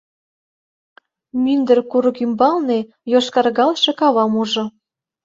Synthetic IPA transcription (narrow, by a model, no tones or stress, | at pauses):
mynd̪ə̆rkuɾɤ̆kymbɑlne | joʃkɑrɣɑlʃĕkɑβɑmuʒŏ